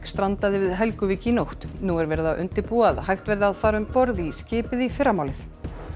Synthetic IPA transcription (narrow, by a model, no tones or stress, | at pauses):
kst̪ɾant̪aðɪvɪðɦɛlkʏviːcɪnowht̪nuːɛɾvɛːɾɪðaʔʏnt̪ɪɾpuːɣaðhajht̪vɛɾðɪaːðfaːɾʏmpɔɾðiscɪːpɪðifɪɾːamaːwlɪθ